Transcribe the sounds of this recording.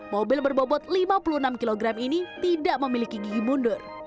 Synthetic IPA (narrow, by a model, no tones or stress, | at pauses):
mobɪlbərbobɔt̪̚limapuluənamkiloɡɾaminit̪idaʔməmilikiɡiɡimundʊr